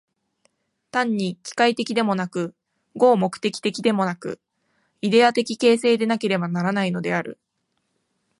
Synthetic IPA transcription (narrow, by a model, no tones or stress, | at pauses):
t̪ãɲ̟ːikʲi̥kait̪e̞kʲid̪e̞mo̞nakɯ̟ | ɡo̞ːmo̞kɯ̟̥t̪e̞kʲi̥t̪e̞kʲid̪e̞mo̞nakɯ̟ | id̪e̞at̪e̞kʲike̞ːse̞ːd̪e̞nake̞ɾe̞banaɾanaino̞d̪e̞aɾɯ̟̰